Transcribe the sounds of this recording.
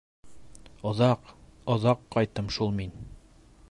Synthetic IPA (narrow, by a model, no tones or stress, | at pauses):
ŏðɑqŏðɑqːɑjt̪ɤmʃulˠmin